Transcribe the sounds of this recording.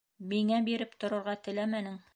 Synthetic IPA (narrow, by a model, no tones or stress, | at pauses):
miŋæbiɾɘpt̪ŏɾɤ̆ɾʁɑt̪ɘ̆læmænɘŋ